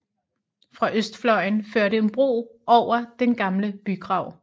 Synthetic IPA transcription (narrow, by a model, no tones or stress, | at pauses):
fʁɑ̈ʔøsd̥flɒ̽ɪnføɐ̰ɾeenb̥ʁo̝̰ːʔɒʊ̰ɐd̥enɡ̥ɑ̈mləb̥yɡ̥ʁɑ̈ʊ̰